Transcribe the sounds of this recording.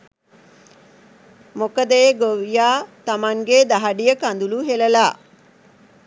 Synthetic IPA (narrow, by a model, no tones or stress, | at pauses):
mokəd̪əjeɡoʋijaːt̪amaŋɡed̪aɦaɖijəkand̪uluɦeləlaː